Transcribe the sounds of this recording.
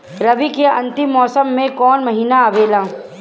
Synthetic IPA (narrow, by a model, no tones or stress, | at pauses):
ɾɐbikeɐ̰̃nt̪ɪmːɔːsəmːẽkɔːnmɐɦiːnaɐʋeːlaː